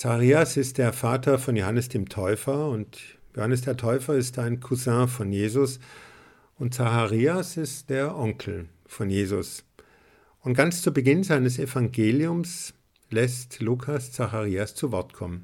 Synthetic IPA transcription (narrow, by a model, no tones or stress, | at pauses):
t͡saχʁiːasɪst̚d̥eːɐfaːtʰɐfɔnjohanəsd̥eːmtʰɔʏfɐʊntjohanəs̬d̥eːɐtʰɔʏfɐɪstaɪnkʰuzãfɔnjeːzʊs | ʊnt̚t͡saxaʁiːasɪstd̥eːɐʔɔŋkʰl̩ | fɔnjeːzʊs | ʔʊntɡ̥ant͡st͡suɐbəɡɪnzaɪnəsefaŋɡeːliʊms | lɛstluːkʰast͡saxaʁiːast͡suvɔɐtkʰɔmən